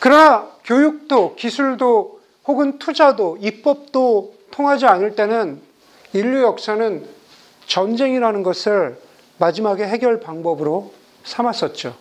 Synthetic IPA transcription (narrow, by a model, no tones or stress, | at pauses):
kɯɾʌnakjojuk̚t͈okisʰuɭdo | hoɡɯntʰud͡ʑadoip͈ʌp̚t͈otʰoŋɦad͡ʑianɯɭt͈e̞nɯn | iʎːjujʌk̚s͈anɯn | t͡ɕʌnd͡ʑe̞ŋiɾanɯnɡʌsʰɯɭ | mad͡ʑimaɡe̞ɦe̞ɡjʌɭpaŋbʌbɯɾo | sʰamas͈ʌt̚t͡ɕ͈o